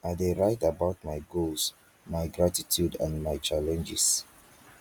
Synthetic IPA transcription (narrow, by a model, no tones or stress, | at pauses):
adeɹaɪtabaʊt̚majɡos | majɡɹatitʰjudã̰nmajt͡ʃalɛ̃nd͡ʒis